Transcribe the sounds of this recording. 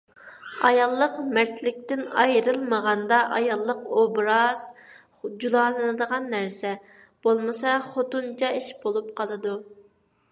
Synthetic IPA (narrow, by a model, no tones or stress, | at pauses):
ɑjɑlˠːəqmæɾt̪ʰlɪk̚ʲt̪ɪnɑjɾɨlˠməʁɑnd̪ɑʔɑjɑlˠːəqobɾɑz̥ | d͡ʒulˠɑːlˠɨnɨd̪əʁɑnːæɾsɛ | b̥olˠmɨsɑχot̪unt͡ʃʰɑiʃbolˠup̚qʰɑlˠɨd̪u